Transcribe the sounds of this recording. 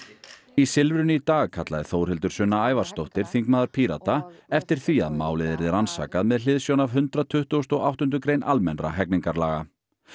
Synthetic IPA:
isɪlvɾʏnʏit̪aːɣkʰat̪la̰ðɪθoːwɾ̥hɪlt̪ʏɾ̥sʏnːaaːjvarst̪owht̪ɪɾ̥θiŋkmaːðaɾ̥pʰiɾa̰t̪aɛft̪ɪɾ̥θia̰ðma̰ːwlɪðɪɾðɪɾansa̰ːkaðmɛðl̥ɪðsjownavɦʏnt̪ɾat̪ʰʏht̪uʏst̪ɔɣawht̪ʏnt̪ʏkɾejnʔalmɛnɾa̰ɦɛkniŋkaɾlaːɣa

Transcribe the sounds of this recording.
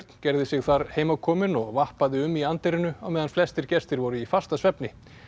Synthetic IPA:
ɾt̪n̥cɛɾðɪsɪɣθaɾheːjmawkʰɔːmɪnɔɣvahpaðɪʏmːiant̪eɾɪnʏawmɛːðanflɛst̪ɪɾ̥cɛst̪ɪɾvɔːɾʏifast̪asvɛpnɪ

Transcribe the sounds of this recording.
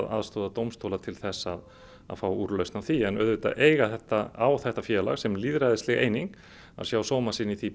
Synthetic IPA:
ða̰ðst̪oːðat̪owmst̪ʰowlat̪ʰɪlθɛsːað | a̰ðfaːwuːɾlœɥsnawθiɛnœðvɪt̪a̰ʔeːjɣaθɛht̪aawθɛht̪afjɛːla̰ɣsɛmliːðɾajðɪst̪lɛɣḛːjniŋk | a̰ðsjawsoːwmasiniθi

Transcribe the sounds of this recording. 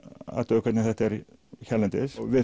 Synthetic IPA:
a̰t̪œːkʰvɛt̪nɪθɛht̪ɛɾ | çɛlɛnt̪ɪsvɪ

